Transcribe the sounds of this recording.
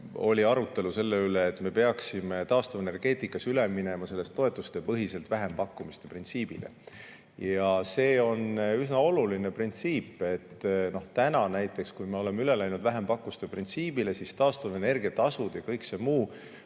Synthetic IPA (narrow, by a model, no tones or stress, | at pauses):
o̞̰lʲiɑɾut̪ːˑe̞luse̞lːeyleːt̪ːˑme̞pe̞ɑksime̞t̪ɑːst̪ovene̞rɡ̥e̞ːt̪ˑikːˑɑsylemine̞mɑse̞lːest̪ːo̞e̞t̪ːˑust̪e̞pɤɦise̞lt̪væɦe̞mpɑkːˑumist̪e̞print̪siːb̥ilḛ | jɑse̞ːo̞nysnɑo̞luline̞print̪siːpːe̞t̪ːno̞ht̪ænɑnæjt̪ːˑe̞kskujme̞o̞le̞meyle̞læjnud̪̥væɦe̞mpɑkːˑust̪e̞print̪siːb̥ile̞sist̪ɑːst̪ovene̞rɡ̥iɑt̪ɑsud̪̥jɑkɤjksemuː